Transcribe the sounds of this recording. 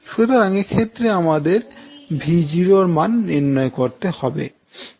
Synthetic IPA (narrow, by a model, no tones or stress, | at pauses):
ʃut̪oɾaŋeɾkʰet̪ːɾeamad̪eɾbʱid͡ʑiɾoɾmanːiɾnɔekoɾt̪ehɔbḛ